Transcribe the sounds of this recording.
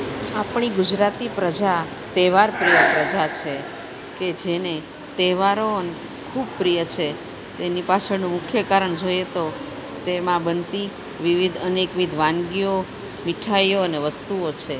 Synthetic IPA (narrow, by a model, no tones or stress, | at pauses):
apɳ̃iɡʊd͡ʒɾat̪ipɾəd͡ʒa | t̪eʋaɾpɾijəpɾəd͡ʒat͡ʃʰe | ked͡ʒene | t̪eʋaɾoəne | kʰub̚pɾijət͡ʃʰe | t̪enipat͡ʃʰənũmʊkʰjəkaɾəɳd͡ʒojet̪o | t̪emãbənt̪i | ʋiʋid̪ʱənekʋid̪ʱʋãŋɡijo | miʈʰaioəneʋəst̪uot͡ʃʰe